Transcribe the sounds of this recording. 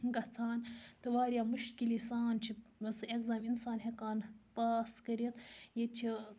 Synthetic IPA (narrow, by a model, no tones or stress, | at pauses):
ɡɐt͡sʰaːnt̪ɨʋaːɾʲjaːmuʃkilisaːnt͡ʃʰiʋɐsɨekzaːminsaːnɦekaːnpaːskɐɾit̪jit͡ʃʰi